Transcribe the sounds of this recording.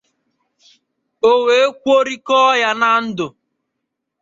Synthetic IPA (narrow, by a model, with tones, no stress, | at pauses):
o˨we˨˦kʷo˦ɾi˦kɔ˦ja˦na˦n̩˦dʊ˨